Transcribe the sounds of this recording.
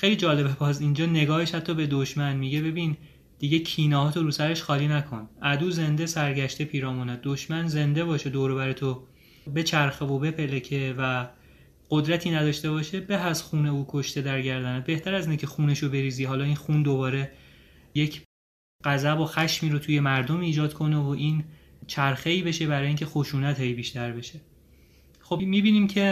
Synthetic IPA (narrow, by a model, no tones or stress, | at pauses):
xejliːd͡ʒɒːle̞bebɒzind͡ʒɒːne̞ɡɒːhe̞ʃhæt̪ʰːɒːbe̞d̪oʃmænmiɟe̞be̞biːn | d̪̥iːɟecʰiːnɒːɦɒːt̪ʰoɾuːsæɾe̞ʃxɒːliːnækʰo̞nʔæd̪uːze̞nd̪e̞sæɾɟæʃt̪e̞pʰiːɾɒːmuːnæd̪̚d̪oʃmænze̞nd̪e̞bɒːʃed̪oːɾoβæɾet̪ʰo | be̞t͡ʃʰæɾxevobe̞pʰelecʰe̞væ | ɢ̥od̪ɾæt̪ʰiːnæd̪ɒːʃt̪e̞βɒːʃebeɦæzxuːne̞uːkʰo̞ʃt̪e̞d̪æɾɟæɾd̪ænæt̪̚be̞ht̪ʰæɾæziːnecʰe̞xuːneʃobe̞ɾiːziːɦɒːlɒːiːnxund̪obɒːɾe̞ | jecʰ | ɢ̥æzæboxæʃmiːɾot̪ʰuːje̞mæɾd̪omiːd͡ʒɒːd̪̥kʰo̞nevoʔiːnt͡ʃʰæɾxe̞iːbe̞ʃe̞bæɾɒːjiːŋcʲʰe̞xoʃuːnæt̪ʰejbiːʃt̪æɾbe̞ʃe | xobmiːbiːniːmcʰe̞